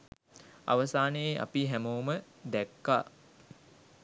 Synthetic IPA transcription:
a̰ʋəsaːnəjeʔa̰piɦæmowmə | d̪ækːaː

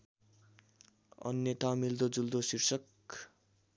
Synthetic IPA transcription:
ʌ̰nːjet̪awmild̪od͡zuld̪osirsʌk

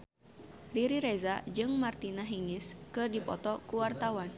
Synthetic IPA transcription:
riɾiɾɛzad͡ʒɨŋmart̪inaɦiŋɪskɨrdipɔt̪ɔkuwart̪awan

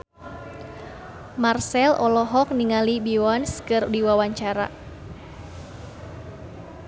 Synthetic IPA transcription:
marsɛlʔɔlɔɦɔk̚niŋalibiwɔnskɨrdiwawaɲt͡ʃaɾa̰

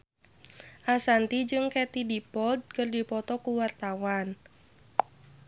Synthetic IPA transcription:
ʔasant̪id͡ʒɨŋkɛt̪idipɔd̪̚kərdipɔt̪ɔkuwart̪awan

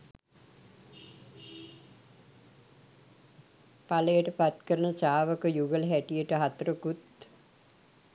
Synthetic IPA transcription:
paləjəʈəpat̪kəɾənəsaːʋəkəjuɡəlɦæʈijəʈəɦat̪ɾəkut̪

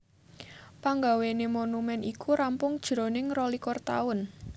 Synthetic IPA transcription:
paŋɡawenemonumɛnʔikʰuɾampʊŋd̥ʒ̥ɾo̤nɪŋrɔlikɔrt̪a̰ʊn

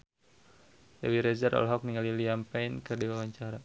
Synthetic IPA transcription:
jawiɾɛzaɾʔɔ̰lɦɔk̚niŋaliliampɛinkərdiwawaɲt͡ʃaɾa

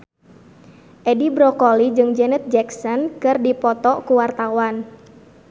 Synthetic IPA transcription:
ʔɛdibɾɔkɔlid͡ʒɨŋd͡ʒɛnɛt̪̚d͡ʒɛksɔnkɨrdipɔt̪ɔkuwart̪awan

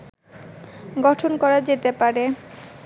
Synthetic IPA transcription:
ɡɔʈʰonkɔɾad͡ʑet̪epaɾe

